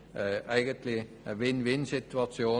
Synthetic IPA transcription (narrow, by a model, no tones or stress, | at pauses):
æɪɡənt̪lɪ | ʋɪnːʋɪnːsɪt̪ʉɑsɪuː